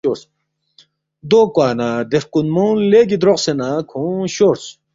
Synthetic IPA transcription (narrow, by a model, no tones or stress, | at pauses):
oɾt͡s | d̪oːkwaːnad̪eɾkunmownleːɡid̪ɾoqsenaːkʰõːɕoːɾs